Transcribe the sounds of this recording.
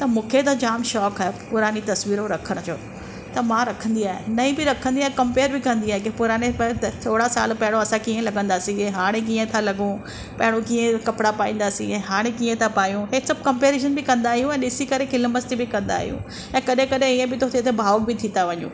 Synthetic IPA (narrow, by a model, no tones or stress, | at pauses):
t̪ɐmũːkʰet̪ad͡ʑaːmʃɔːkaːɦepʊɾaːnit̪ɐsʋiːɾõɾɐkʰəɽ̃d͡ʑoː | t̪ɐmãɾɐkʰə̃nd̪iaːɦḛnɐĩbɪɾɐkʰə̃nd̪iaːɦekɐmpeːɾbɪkɐ̃nd̪iaːɦekepʊɾaːnept̪t̪ʰoːɽasa̰ːlpɐɦɪɽ̃õɐsãkiːə̃lɐɡə̃nd̪aːsieɦaːɽ̃ek̬iːə̃t̪ʰalɐɡũ | pɐɦɪɽ̃õkiːẽkɐpɽapaːĩːnd̪aːsĩɛ̃ːɦaːɽ̃ekiːə̃t̪ʰapaːjũɦesɐb̚ʱkɐ̃mpeːɾeʃ̬ənbɪkɐ̃nd̪aːɦijũɛ̃ːɗɪsikɐɾekʰɪlmɐst̪ibɪkɐ̃nd̪a̰ːɦḭjṵ̃ | ɛ̃ːkɐɗʱẽkɐɗʱẽiːə̃bɪt̪ʰot̪ʰet̪ebʱaːokbʱɪt̪ʰĩnaʋɐɲṵ̃